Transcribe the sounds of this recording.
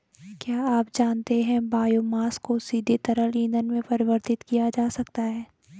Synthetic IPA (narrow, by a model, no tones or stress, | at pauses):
kjaːaːp̚d͡ʒaːnt̪eɦɛ̃baːjomaːskosiːd̪ʱet̪ɐɾəlĩːnd̪ənmẽpɐɾɪʋəɾt̪ɪt̪kijad͡ʒaːsɐkt̪aɦɛː